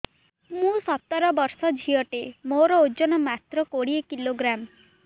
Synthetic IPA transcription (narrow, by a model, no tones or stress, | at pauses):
mũsɔt̪ːɔɾɔbɔɾsɔd͡ʒʱiɔʈemoɾɔod͡ʒɔnɔmat̪ɾɔkoɽiekiloɡɾam